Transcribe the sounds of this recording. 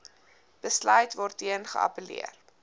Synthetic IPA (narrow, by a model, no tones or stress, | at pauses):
b̥əslœɥtvɔrtːiənχə̰ɐ̰pəlḭər